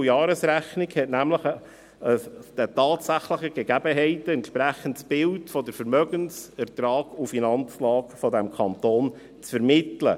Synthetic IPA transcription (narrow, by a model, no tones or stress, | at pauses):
jɑːɾəsɾæχnɪɡhɛtnæmləχ | əd̥ɛtɑːtsæχləχəɡ̥ɛɡæbəɦɛɪtəɛntʃpɾæχən̩tsb̥ɪltfɔdəɾfəɾmœɡənsɛɾt̪ɾɑːɡufinɑnt͡slɑːkfɔdɛmkʰɑnt̪oːn | t͡sfəɾmɪtlə̰